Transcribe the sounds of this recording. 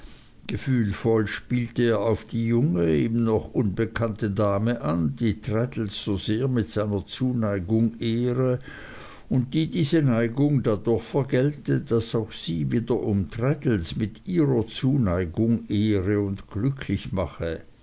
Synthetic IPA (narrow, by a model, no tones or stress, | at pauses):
ɡ̥əfyːlfɔlʃpiːltəeːɐaʊfd̥iːjʊŋəeːbn̩nɔχʔʊnbəkʰantədaːməʔandiːtʁ̥ɛtl̩sz̥oːzeːɐmɪtz̥aɪnɐt͡suːnaɪɡʊŋʔeːʁə | ʊnt̚d̥iːdiːzənaɪɡʊŋdadʊɐxfɛɐɡɛltəd̥asaʊxz̥iːviːdɐʔʊmtʁ̥ɛdl̩smɪtiːʁɐt͡suːnaɪɡʊŋeːʁəʊndɡ̥lʏkʰlɪçmaχə